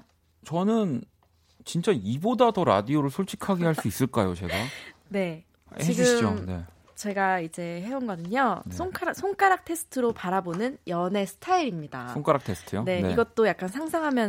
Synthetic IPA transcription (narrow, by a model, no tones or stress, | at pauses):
t͡ɕʌnɯn | t͡ɕint͡ɕ͈aibodadoɾa̰dioɾɯɭsʰoɭt͡ɕʰi̥kʰaɡehaɭs͈uis͈ɯɭk͈ajot͡ɕe̞̰ɡane̞ | t͡ɕiɡiɯt͡ɕmone̞̰ | t͡ɕe̞ɡaid͡ʑe̞he̞onɡʌdɯɲosʰoŋkʰaɾasʰoŋk͈aɾak̚tʰe̞sʰɯ̥tʰɯɾopaɾabonɯnjʌne̞sʰɯ̥tʰaiɾimɲida̰oŋk͈aɾak̚tʰe̞sʰɯ̥tʰɯjone̞niɡʌt̚t͈ojak̚k͈ansʰaŋsʰaŋɦamjʌn